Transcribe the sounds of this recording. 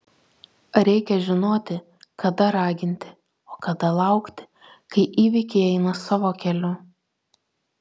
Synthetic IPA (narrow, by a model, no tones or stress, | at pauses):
ɾʲɛɪkʲɛʒʲɪnoːt̪ʲɪ | kɐd̪ɐɾɑːɡʲɪnʲt̪ʲɪ | oːkɐd̪ɐlˠɐˑʊkt̪ʲɪ̥ | kɐɪʔiːʋʲɪkʲeɪɛɪnɐsɑːʋoːkʲɛlʲʊ